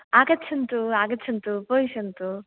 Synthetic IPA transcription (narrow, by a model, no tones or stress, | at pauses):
aːɡɐt͡ʃʰɐnt̪uaːɡɐt͡ʃʰɐnt̪upojsɐnt̪u